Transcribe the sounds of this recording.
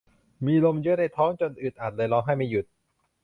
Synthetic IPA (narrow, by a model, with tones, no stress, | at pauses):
miː˧lo˧mjɯ˦˥na˧jt̪ʰɔː˦˥ŋt͡ɕo˧nʔɯː˨˩t̪̚ʔaː˨˩t̪̚lɤː˧jlɔː˧wɦa˥˩jma˥˩ju˨˩t̪̚